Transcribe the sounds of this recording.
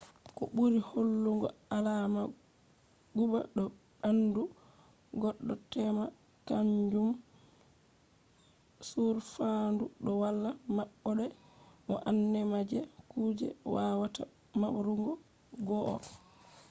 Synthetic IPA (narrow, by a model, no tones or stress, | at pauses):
kɔɓuɾiholːuŋɡɔ̰alama | ɡuɓa̰ɗɔ | ɓandu | ɡɔɗːɔtɛma | kaɲd͡ʒum | suɾfanduɗɔwalːamaɓːɔɗɛ | ʔɔʔanːɛmad͡ʒɛkuːd͡ʒɛ̰wawata | maɓɾuŋɡɔ | ɡɔʔɔ̰